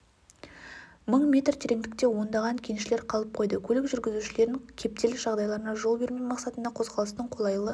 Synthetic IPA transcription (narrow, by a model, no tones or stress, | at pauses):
məɴmʲe̞t̪rt̪ʰeɾe̞ŋd̪ɪk̚t̪e̞wo̞nd̪ɑʁɑŋkʲʰe̞nʃɪle̞ɾqʰɑlˠəp̚qʰo̞jd̪əkʲʰɵlɪkʒʏɾɡʲɪzuʃɪle̞ɾɪŋkʲʰe̞p̚t̪e̞lɪʒ̥ɑʁd̪ɑjlˠɑɾənɑʒo̞lˠbe̞ɾme̞jmɑqsɑt̪ənd̪ɑqʰo̞zʁɑlˠəst̪əɴqʰo̞lˠɑjlˠə